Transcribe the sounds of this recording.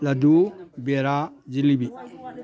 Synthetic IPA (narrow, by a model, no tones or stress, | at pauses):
ladubeɾad͡ʒilibi